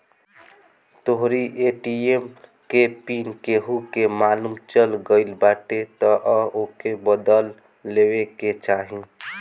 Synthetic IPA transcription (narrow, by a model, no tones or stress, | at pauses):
t̪oɦɾiʔeʈiemkepinkeɦukemaːlumt͡ʃəlɡəɪlbaʈet̪ɔʔəokebəd̪əlː | eweket͡ʃaɦi